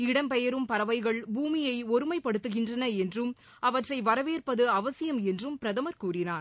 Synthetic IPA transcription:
ɪɽɐmpɛjɐɾɯmpɐɾɐʋɐɪɣɐɭbuːmɪjɐɪɔɾɯmɐɪpɐɽɯt̪ːɯɣɪndrɐnɐɛndrɯm | ʔɐʋɐʈrɐɪʋɐɾɐʋeːrpɐðɯɐʋɐsɪjɐmɛndrɯmpɪɾɐðɐmɐɾkuːrɪnaːɾ

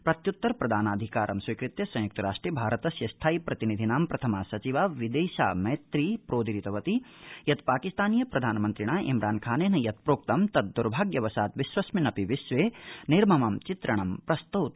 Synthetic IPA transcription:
pɾɐt̪jut̪ːɐɾpɾɐd̪ʱaːnaːd̪ʱikaːɾʔɐmswɐjkɾit̪jɐsɐ̃juk̚t̪ɐɾaːʂʈɾiːbʱaːɾɐt̪ɐsjɐst̪ʰaːipɾɐt̪inid̪ʱinaːmpɾɐt̪ʰɐmaːsɐt͡ʃiʋaːʋid̪eːʃa̰ːmɐjt̪ɾiːpɾoːd̪iɾit̪ɐʋɐt̪ijɐt̪paːkist̪aːnijɐpɾɐd̪ʱaːnɐmɐnt̪ɾiɳaːʔimɾaːnkʰaːneːnɐjɐt̪̚pɾoːkt̪ɐmt̪ɐt̪̚d̪uɾbʱaːɡjɐʋɐsaːt̪ʋiʃʋɐsminɐpiʋiʃʋeːniɾmɐmɐmt͡ʃit̪ɾɐɳ̃ɐmpɾɐst̪uːt̪

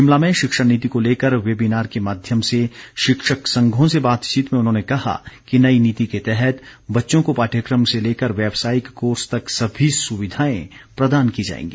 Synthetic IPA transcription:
ɦɪmlamẽʃɪkʃəɽniːt̪̬ikoleːkəɾʋeːbinaːɾkemaːd̪ʱjəmseʃɪkʃəksɐ̃ŋɡʱõsebaːt̪t͡ʃiːt̪mẽʊnɦõːnekɐɦa̰kinɐiniːt̪iket̪ɛɦɛt̪bɐtːʃõkopaːʈʰjəkɾəmseleːkəɾʋjɛːbsaːjɪkːoːɾst̪ɐksɐbʱisʊʋɪd̪ʱaːḛ̃pɾɐd̪aːnkid͡ʒa̰ːḛ̃ːŋɡiː

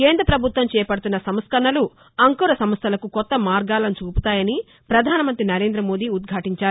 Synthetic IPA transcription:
keːnd̪ɾɐpɾɐbʱut̪ʋɐmt͡ʃɛːpɐɽut̪unːɐsɐmskɐnːɐlu | ɐŋkuːɾɐsɐmst̪ʰɐlɐkukɔt̪ːɐmaːɾɡaːlɐnt͡ʃuːput̪aːjɐni | pɾɐd̪ʱaːnɐmɐnt̪ɾinɐɾe̞ːnd̪ɾɐmo̞ːd̪iud̪̚ɡʱaːʈiɲt͡ʃaːɾ

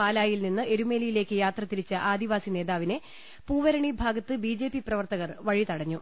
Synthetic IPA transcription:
aːlaːjilninːɨe̞ɾume̞ːlijile̞ːkːɨjaːt̪rɐt̪iɾit͡ɕːɐʔaːd̪iʋaːsine̞ːðaːʋine | puːʋɐɾɐɳibʱaːɡɐt̪ːɨbiːd͡ʑe̞ːpːiprɐʋɐrt̪ɐɣɐrʋɐɻit̪ɐɽɐɲːu

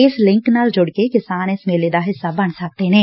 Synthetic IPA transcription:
ɪslɪ̃ŋknaːld͡ʒʊɽkekɪsaːnesmeːleːd̪aːɦɪsːaːbəɳsək̚t̪enɛ̃ː

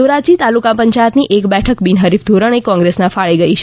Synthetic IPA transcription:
oɾat͡ʃit̪alukãpəɲt͡ʃajət̪niʔekbɛʈʰəkbinɦəɾifd̪ʱoɾəɳ̃ekɔ̃ŋɡɾesnãfaɭiɡəit͡ʃʰ

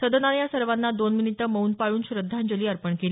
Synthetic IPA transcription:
səd̪ənanjasəɾʋanːad̪onminitʈ̪əməuːnpaɭuːnɕɾəd̪ʱːand͡ʑoliːəɾpəɳkeliː

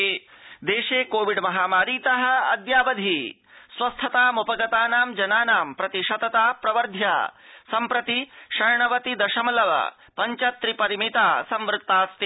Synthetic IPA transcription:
d̪eːʃeːkoːʋiɖmɐɦaːmaːɾiːt̪ɐɦɐ̆ɐ̰d̪jaːʋɐd̪ʱi | sʋɐst̪ʰɐt̪aːmupɐɡɐt̪aːnaːmd͡ʒɐnaːnaːmpɾɐt̪iʃɐt̪ɐt̪aːpɾɐʋɐɾd̪ʱja̰ːsɐmpɾɐt̪iʃɐɾɳɐʋɐt̪id̪ɐʃɐmɐlɐʋɐ̰ | pɐɲt͡ʃɐt̪ːɾipɐɾimit̪aːsɐmʋɾut̪ːaːst̪i

